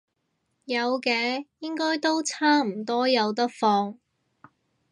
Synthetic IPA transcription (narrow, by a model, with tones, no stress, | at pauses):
jɐ˨˧wkɛː˨˧jɪ˥ŋkɔː˥jt̪o˥wt͡sʰaː˥m̩˨˩t̪ɔː˥jɐ˨˧wt̪ɐ˥k̚fɔː˧ŋ